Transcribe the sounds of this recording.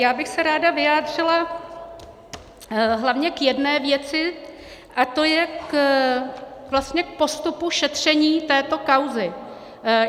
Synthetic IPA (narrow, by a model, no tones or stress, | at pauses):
jaːbɪxsɛɾaːdavɪjaːd̪r̝ɪla | ɦlavɲɛkjɛdnɛːvjɛt͡sɪ | ʔat̪o̞jɛk | vlast̪ɲɛk̚po̞st̪upuʃɛt̪r̝̥ɛɲiːt̪ɛːt̪o̞kawzɪ